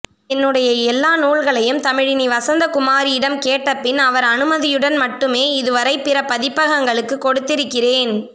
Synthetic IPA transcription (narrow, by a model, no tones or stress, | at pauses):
ɛnːɯɽɐjɐɛlːaːnuːɭɣɐɭɐjɯmt̪ɐmɪɻɪniʋɐsɐnd̪ɐkʊmaːɾɪɪɽɐmkeːʈːɐpːɪnɐʋɐɾɐnɯmɐðɪjɯɽɐnmɐʈːɯmeːɪðɯʋɐɾɐɪpːɪɾɐpːɐðɪpːɐɣɐŋɡɐɭɯkːɯkːɔɽɯt̪ːɪɾɯkːɪreːn